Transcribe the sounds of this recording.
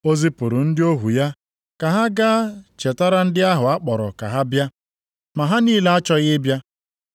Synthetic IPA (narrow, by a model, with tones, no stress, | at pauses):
o˦zi˦pʊ˨ɾʊ˨n̩˦dɪ˦o˦ɦu˨ja˦ | ka˨ɦa˦ɡa˦t͡ʃe˨ta˦ɾa˦n̩˦dɪ˦a˦ɦʊ˨a˦k͡pɔ˨ɾɔ̰˨ka̰˨ɦa˦bja˦ | ma˨ɦa˦niː˦le˦a˦t͡ʃɔ˦ɣɪ˦bja˦